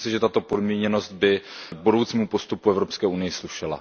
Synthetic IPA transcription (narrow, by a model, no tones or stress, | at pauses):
sɪʒɛt̪at̪o̞po̞dmɲɛɲɛno̞st̪̚bɪɡ̚budo̞wt͡siːmupo̞st̪upuɛvɾopskɛːʔunɪjɪsluʃɛla̰